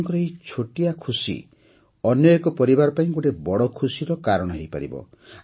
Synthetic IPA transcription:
ŋkɔɾɔeit͡ʃʰoʈijakʰusḭ | ɔnjɔekɔpɔɾibaɾɔpaĩɡuʈebɔɽɔkʰusiɾɔkaɾɔɽ̃ɔɦejpa̰ɾḭbɔ̰

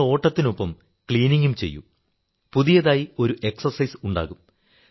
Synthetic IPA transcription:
o̞ːʈːɐt̪ːino̞pːɐm | kɭiːniŋɡumt͡ɕe̞̰jːṵ | puðijɐðaːjio̞ɾuʔe̞ksɐrsɐjsuɳɖa̰ːɣum

